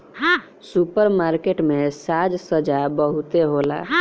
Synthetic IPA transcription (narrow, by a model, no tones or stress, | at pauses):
ɦ | supəɾmaɾkeʈmẽsad͡ʒsəd͡ʒabəɦut̪eɦola̰